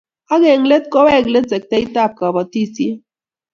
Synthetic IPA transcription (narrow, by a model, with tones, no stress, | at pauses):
a˦ɣe˨ŋ̩˦le˦t̚ko˦wɛ˦˨ɡle˦se˨k̚te˦i˦ta˦˨p̚ka˨bɔ˨ti˦sje˦